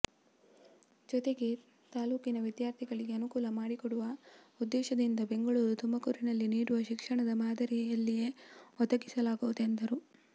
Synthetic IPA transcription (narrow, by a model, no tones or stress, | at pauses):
d͡ʒɔt̪e̞ɡe̞ | t̪aːluːkinɐʋid̪jaːɾt̪ʰiɡɐɭiɡe̞ɐnukuːlɐmaːɽikɔɽuʋɐ | ud̪ːɛːʃɐd̪ind̪ɐbe̞ŋɡɐɭuːɾut̪ʰumbɐkuɾinɐlːiniːɽuʋɐʃikʂɐɳɐd̪ɐmaːd̪ɐɾijɐlːijeɔd̪ɐɡisɐlaːɡuʋud̪end̪ɐɾu